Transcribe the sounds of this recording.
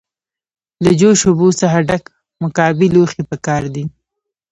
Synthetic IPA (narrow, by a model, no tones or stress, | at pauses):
ləd͡ʒoʃobosaxaɖak | mʊkɑbiloxepəkɑɾd̪i